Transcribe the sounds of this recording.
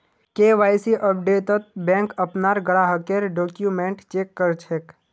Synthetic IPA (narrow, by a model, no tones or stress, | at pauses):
keʋaːjsiʔəp̚ɖeːt̪ət̪̚bẽŋkəpnaɾɡəɽaɦəkeɾɖoːkjumẽɳʈt͡ʃeːkːəɾt͡ʃʰeːk